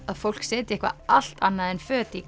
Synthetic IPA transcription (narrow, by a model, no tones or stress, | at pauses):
aðfowl̥ksɛːt̪ɪɛhkva̰al̥t̪anːaðɛnfœːt̪i